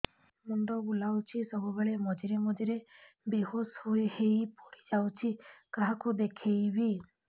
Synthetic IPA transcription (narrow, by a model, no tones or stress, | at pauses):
munɖɔbulawt͡ʃʰisɔbubeɭemɔd͡ʒiɾemɔd͡ʒiɾe | beɦoshoehejpɔɽid͡ʒawt͡ʃʰikaɦakud̪ekʰejbi